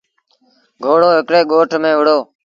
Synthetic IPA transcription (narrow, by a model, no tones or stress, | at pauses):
ɡʱoːɽoːɦɪkɽeːɠoːʈʰmẽːʋʊɽoː